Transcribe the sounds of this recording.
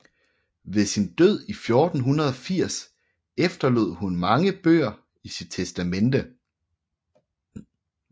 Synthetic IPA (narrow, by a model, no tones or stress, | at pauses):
ʋe̝sind̥øð̞̰ˠifjɔ̝ːd̥n̩ɦunɐð̞ˠɒ̽fiɐ̰s | efd̥ɐlo̝ð̞̰ˠhunmɑ̈ŋəb̥ø̰ːɐ | isid̥̚t͡sʰesd̥æmend̥ə